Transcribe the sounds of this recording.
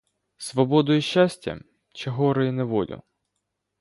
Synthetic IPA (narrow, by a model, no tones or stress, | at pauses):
sʋɔbɔd̪ʊjiʃːasʲtʲɐ̰ | t͡ʃɛɦɔɾɪjinɛʋɔlʲʊ̰